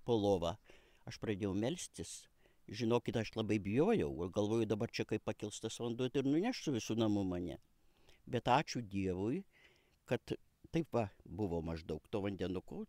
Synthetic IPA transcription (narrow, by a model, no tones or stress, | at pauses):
poːlˠoːʋɑ | ɐʃprɐd̪ʲeːjɛʊmʲɛlʲsʲt̪ʲɪs | ʒʲɪnoːkʲɪt̪ɐʃlˠɐbɐɪbʲɪjoːjɛʊɡɐlˠʋoːjʊd̪ɐbɐrt͡ʃʲɛkɐɪppɐkʲɪlˠst̪ɐsʋɐnd̪ʊɪɾnʊnʲæʃsʊʋʲɪsuːnɐmʊmɐnʲɛ̰ | bʲɛt̪ɑːt͡ʃʲʊd̪ʲiɛʋʊj | kɐt̪ | t̪ɐɪpʋɐbʊʋoːmɐʒd̪ɐʊkt̪oːʋɐnʲd̪ʲɛnʊkoː